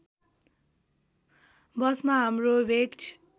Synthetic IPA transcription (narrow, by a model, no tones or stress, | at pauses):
bʌsmaɦamrobet͡ʃʰ